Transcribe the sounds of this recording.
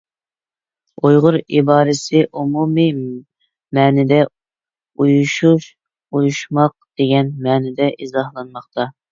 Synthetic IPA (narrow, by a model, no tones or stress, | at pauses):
ojʁʊɾibɑːɾɪsɪʔumumi | mɛːnɪd̪ɛ | ujuʃuʃ | ujuʃmɑq̚d̪̥eɡʲɛnmɛːnɪd̪ɛʔizɑhlˠɑnmɑχt̪ʰɑ